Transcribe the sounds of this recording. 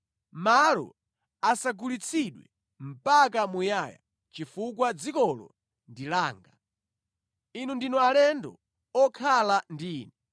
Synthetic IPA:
malɔ̰ | asaɡulit͡sʰiɗwɛ̰ | m̩pak̬amujaja̰ | t͡ʃifuk̬wad͡zikɔlɔ̰ | ndilaːŋɡa | inundinualɛndɔ̰ | ɔkʰalandiːnɛ

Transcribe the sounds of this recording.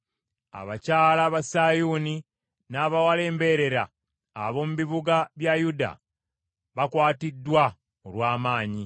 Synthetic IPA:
a̰βacaːlaβasajuni | naːβawale̞ːmbe̞ɾe̞ɾa̰ː | βo̞muβiβuɡaβjajuda̰ | βakwaːtidːwa | olwaːmaːɲi

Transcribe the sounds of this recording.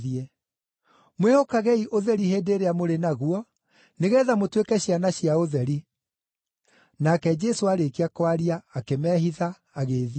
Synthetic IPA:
iɛ | mwehokaɣɛiʔoðɛɾiheːdeːɾeamoɾenaɣuɔ | neɣɛːðamotwekɛɕianaɕiaoðɛɾi | nakɛd͡ʒɛsoaɾekiakwaɾiaːkemɛːɦiðaː | ɣeːði

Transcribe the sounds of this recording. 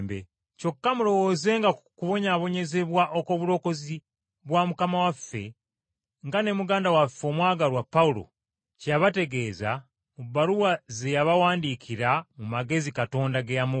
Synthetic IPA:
mbḛ | co̞kːamuɾo̞wo̞ːze̞ŋɡakuβo̞ɲaβo̞ɲe̞ze̞βwaʔoko̞ːβuɾo̞ko̞zi | βwamukamawafːe̞̰ | ŋɡane̞muɡaːndawafːo̞ːmwaːɡaɾwapːaulo̰ | cjaβate̞ɡe̞ːza̰ | mubːaɾuwaze̞jaβawaːndikʰiɾamumaɡe̞zikato̞ːndaɡejamu

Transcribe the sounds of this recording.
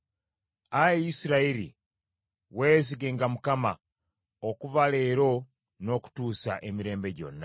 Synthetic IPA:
ajeisiɾaiɾḭ | we̞ːziɡe̞ːŋɡamukama | okuvale̞ːɾo̞ | no̞ku̥tuːsa̰ʔe̞miɾe̞ːmbe̞ɟo̞̰nːa

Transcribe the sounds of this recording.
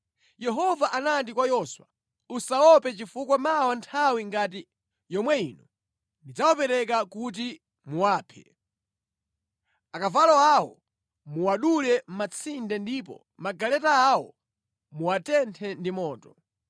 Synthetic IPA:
jɛɦɔvaʔanantikwajɔswa | usaɔpɛt͡ʃifukwamawantʰawiŋɡati | jɔmwɛiːnu | ndid͡zawapɛɾɛk̬akut̬i | muwaːpʰɛ̰ | akavalɔawɔ | muwaɗulɛm̩mat͡sʰindɛndipɔ̰ | maɡalɛtaːwɔ̰ | muwatɛntʰɛndimɔːtɔ

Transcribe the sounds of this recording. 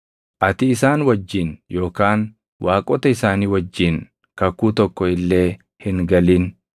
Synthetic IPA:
ʔɐt̪ɪɪsaːnwɐd͡ʒːɪnjo̞ːkaːn | waːkʼɔt̪ɐɪsaːniːwɐd͡ʒːɪn | kɐkːuːt̪ɔkːɔɪlːe̞ː | hɪŋɡɐliːn

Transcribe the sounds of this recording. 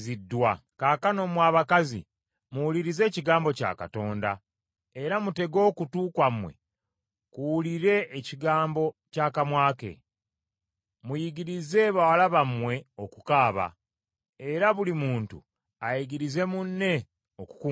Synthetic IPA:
zidːwakaːkano̞mwaːβakazḭ | muwuliɾize̞ːciɡaːmbo̞ca̰ːka̰to̞ːnda | e̞ɾamute̞ɡo̞ːkutuːkwamwe̞̰ | kuwuliɾe̞ːciɡaːmbo̞caːkamwaːke̞̰ | mujiɡiɾize̞βawalaβamwe̞o̞kukaːβa̰ | eɾaβulimuːntṵ | ajiɡiɾize̞munːe̞ | oku̥ku

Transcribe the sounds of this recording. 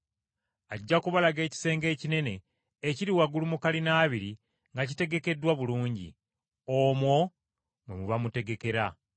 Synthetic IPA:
aɟːakuβalaɡe̞ːci̥se̞ːŋɡe̞ːcine̞ne̞ː | ciɾiwaɡulumukalinaːβiɾi | ŋɡacite̞ɡe̞ke̞dːwaβuluːɲɟḭ | omwo̞ | mumuβamute̞ɡe̞ke̞ɾa

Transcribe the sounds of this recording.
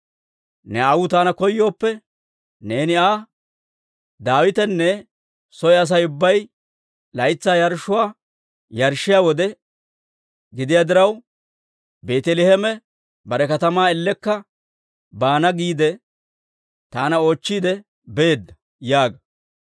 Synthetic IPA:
nɛawʊt̪aːnɐkɔjːo̞ːpːɛ | ne̞ːnɪaː | d̪aːwɪt̪ɛnːɛ | sɔjɛɐs̬ɐjʊbːɐj | lɐjt͡sːaːjɐɾʃːʊwaː | jɐɾʃːɪjawɔd̪ɛ | ɡɪd̪ɪjaːd̪ɪɾɐw | be̞ːt̪ɛlɪhɛmɛ | bɐɾɛkɐt̪ɐmaːɛlːɛkːɐ | baːnɐɡiːd̪ɛ | t̪aːnɐo̞ːt͡ʃːiːd̪ɛ | beːd̪ːɐ | jaːɡɐ

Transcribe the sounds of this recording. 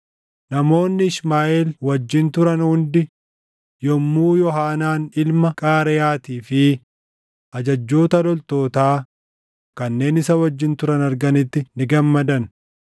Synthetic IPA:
nɐmo̞ːnːɪɪʃmaːʔeːlwɐd͡ʒːɪnt̪ʊɾɐnhʊnd̪ɪ | jɔmːuːjɔhaːnaːnɪlmɐkʼaːɾɛjaːt̪iːfɪ | ʔɐd͡ʒɐd͡ʒːoːt̪ɐlɔlt̪o̞ːt̪aː | kɐnːe̞ːnɪsɐwɐd͡ʒːɪnt̪ʊɾɐnɐɾɡɐnɪt̪ːɪnɪɡɐmːɐd̪ɐn

